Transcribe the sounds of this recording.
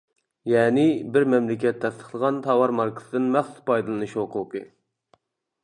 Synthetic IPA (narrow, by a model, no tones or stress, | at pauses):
jɛːnɪbɪɾmɛmlɪkʲɛt̪ʰːɛst̪ʰə̥χlˠəʁɑnt̪ʰɑwɑɾmɑɾkʰɨ̥sɨd̪ɨnmæχsuzpʰɑjd̪ɨlˠɨnɨʃoqʰʊqɨ̰